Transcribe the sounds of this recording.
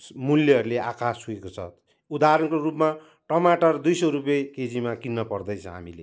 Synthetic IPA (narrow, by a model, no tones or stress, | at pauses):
muljʌʌɾuleakasɦuekot͡sʰʌ̰ | ud̪aɾʌnkorupma | ʈʌmaʈʌrd̪ujsʌɾup̬jʌjked͡zimakinːʌpʌrd̪ʌjt͡sʰʌɦa̰milḛ